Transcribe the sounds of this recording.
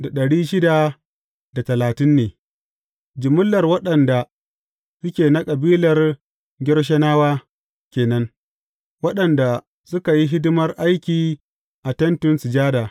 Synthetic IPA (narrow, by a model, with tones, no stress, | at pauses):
da˨ɗɐ˨ɽiː˦ʃɪ˦da˨ | da˨tɐ˨laː˨tɪ˦nːeː˨ | d͡ʒɪ˨mʊ˦lːɐ˨rwɐ˦ɗɐ˨nda˨ | sʊ˦kʲeː˨na˦kʼɐ˨biː˦lɐ˨r | ɡʲɪ˦ɽʃ̬ɐ˦naː˦waː˦ | kʲeː˨nɐ˦ŋ | wɐ˦ɗɐ˨nda˨ | sʊ˦ka˨ji˦ɦɪ˦dʊ˦mɐ˦rʔa˦jkʲiː˨ | ʔa˨tɐ˦ntʊ˦nsɪ˨d͡ʒaː˦daː˨